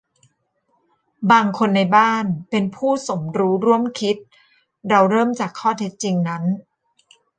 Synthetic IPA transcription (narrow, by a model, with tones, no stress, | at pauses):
baː˧ŋkʰo˧nːa˧jbaː˥˩npe˧npʰuː˥˩so˩˦mɾuː˦˥ɾu˥˩əmkʰi˦˥t̪̚ | ɾa˧wɾɤː˥˩mt͡ɕa˨˩kʰːɔː˥˩t̪ʰe˦˥t̪̚t͡ɕi˧ŋna˦˥n